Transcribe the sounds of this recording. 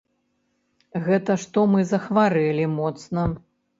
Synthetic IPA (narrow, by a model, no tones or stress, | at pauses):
ɣɛt̪ɐʂt̪ɔmɨzɐxvaɾɛlʲimɔt̪snɐ